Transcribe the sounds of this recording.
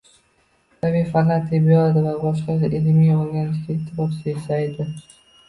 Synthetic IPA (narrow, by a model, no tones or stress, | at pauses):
t̪abijfanat̪ʰijbjolˠad̪ɪvabɒʃ̬qɑsɪʔɪlmijoɾɡʲanɪʃkʲaet̪ʰːɪfɒpsɪesajd̪ɪ